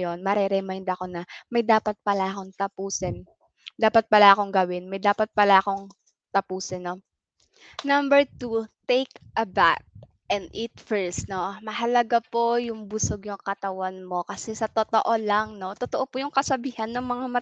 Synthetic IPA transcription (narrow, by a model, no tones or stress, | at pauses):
jo̞nmɐɾɛɾɛmajnd̪ɐko̞nɐmɐjd̪aːpɐt̪̚pɐlaʔɐko̞ŋt̪ɐpuːsɛn | d̪aːpɐt̪̚pɐlaʔɐko̞ŋɡɐwɪnmɐjd̪aːpɐt̪̚pɐlaʔɐko̞ŋ | t̪ɐpuːsɪnːo | nɐmbɛɹt̪ut̪ejkʔɐba̰t̪̚ | ʔɛnd̪̚ʔit̪fɛɹst̪no̞mɐɦɐlɐɡapojʊŋbʊsoɡjʊŋkɐt̪ɐwanmo̞kɐsɛsɐt̪ot̪oʔo̞laŋno̞t̪ot̪oʔopujʊŋkɐsɐbiːhɐnːoŋmɐŋamɐ